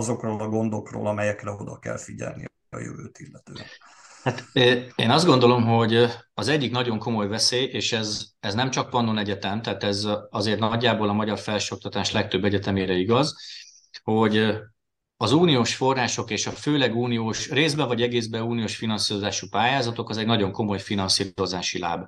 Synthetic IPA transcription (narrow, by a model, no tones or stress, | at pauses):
zo̞kroːlɒɡo̞nd̪o̞kro̰ːlɒmɛjɛkrɛod̪ɒkɛ̰lfiɟɛ̰lnḭ | ɒ̰jø̰vøːt̪ilːɛt̪øː | hat̪ːḛːnɒzd̪ɡo̞nd̪o̞lo̞mɦo̞ɟɒzɛɟːiknɒɟo̞ŋko̞mo̞jvɛseːeːʃɛzɛznɛmt͡ʃɒk̚pɒnːonɛɟɛt̪ɛmt̪ɛɦaːt̪ɛzɒzeːrt̪nɒɟːaːboːlɒmɒɟɒrfɛlʃo̞k̚t̪ɒt̪aːʃlɛk̚t̪ø̞bːɛɟɛt̪ɛmeːɾɛiɡɒz | ho̞ɟ | ɒzuːnijoːʃfo̞rːaːʃo̞keːʃɒføːlɛɡuːnijoːʃreːzbɛvɒɟɛɡeːzbɛuːnijoːʃfinɒnsiːɾo̞zaːʃupaːjaːzɒt̪o̞kɒzɛɟnɒɟo̞ŋko̞mo̞jfinɒnsiːɾo̞zaːʃila̰ːb